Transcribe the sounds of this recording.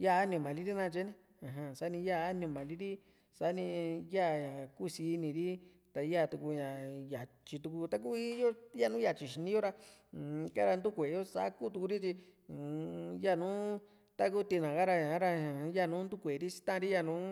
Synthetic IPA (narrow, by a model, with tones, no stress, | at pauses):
ja˦˨˧a˦nĩ˧˨mã˨li˦ɾi˦nã˧t͡ʃe˧˦nĩ˧ | ã˨ɦã˧sa˦nĩ˧ja˦˨a˦nĩ˧˨mã˨li˦ɾi˦ | sa˦nĩ˧ja˦˨ɲã˨ku˦˨˧si˧nĩ˧ɾi˦ | t̪a˧ja˦˨t̪u˧ku˧ɲã˨ja˨t͡ʃi˧t̪u˧ku˧t̪a˧k̬u˦i˦jo˦ja˦˧nũ˦ja˨t͡ʃi˨ʃi˧nĩ˧˦jo˦ɾa˧˨˧ | ka˦ɾa˧nd̪u˦kʷe˨jo˦sa̰˧˦ku˦t̪u˧ku˧ɾi˦t͡ʃi˧˨ | ja˦˨nũ˦ | t̪a˦ku˦t̪i˧nã˨ɣa˦ɾa˧ɲã˨˦ɾã˧˨ja˦˧˨nũ˦nd̪u˦kʷe˨˧ɾi˦si̥˧t̪ã˦˧ɾi˦ja˦˧˨nũ˨˦